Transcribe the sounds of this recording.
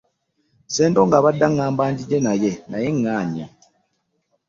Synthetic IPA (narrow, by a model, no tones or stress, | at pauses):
seːndo̞ːŋɡaːβadːaŋːaːmbaːɲɟiɟe̞naje̞naje̞ŋːaːɲa